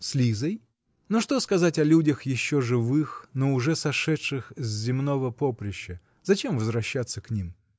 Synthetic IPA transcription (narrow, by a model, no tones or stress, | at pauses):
sʲlʲizəj | noʂt̪o̞skɐzatʲɐlʲudʲəxjɪɕːo̞ʐɨvɨxnoʊʐɛsɐʂɛʂɨxzʲzʲɪmno̞vəpopɾʲɪɕːə | zɐt͡ɕe̞mvəzvɾɐɕːat̪sːəknʲim